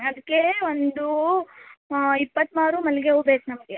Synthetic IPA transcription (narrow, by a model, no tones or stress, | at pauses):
ɐd̪ɐkːeond̪u | ipːɐt̪ːmaːɾumɐlɡeubeːsnɐmɐɡe